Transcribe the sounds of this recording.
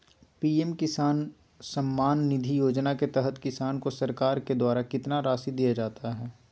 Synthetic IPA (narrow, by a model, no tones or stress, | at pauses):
piːɛmkɪsaːn | sɐmːaːnːɪd̪ʱijoːd͡ʒnaket̪ɛɦət̪kɪsaːnkosɐɾkaːɾked̪waːɾakɪt̪naɾaːsid̪ijad͡ʒaːt̪ʰaɦɛː